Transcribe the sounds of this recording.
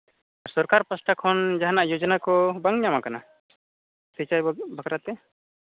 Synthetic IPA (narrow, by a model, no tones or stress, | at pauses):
aɾsɔɾkaɾpɔsʈakʰɔnd͡ʒaɦanaʔjod͡ʒɔnakɔbəŋɲamakana | sit͡ʃajbʱəkɾat̪ɛ